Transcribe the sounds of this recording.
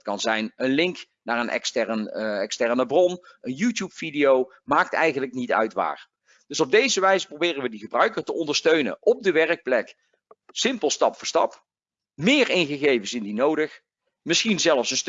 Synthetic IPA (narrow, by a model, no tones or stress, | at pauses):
tkɑnzɛjnənlɪŋk | naːɹənʔɛ̰kstɛrənɛkstɛɹnəbrɔn | ənjuːtjupfidiow | maːk̚tɛ̰jɣənləknitœ̰ɥtʋa̰ːr | d̥ɵsɔb̚dejzəʋɛjzəprowbɪːrənʋədiɣəbrœɥkərtəʔɔndəɹstøɥnə̰nʔɔb̚dəʋɛrək̚plɛk | sɪmpəlˠstɑpfʊɹstɑp | mɪːɹɪnɣəɣejvənsɪndinowdəχ | mɪsχinzɛlˠəfsənst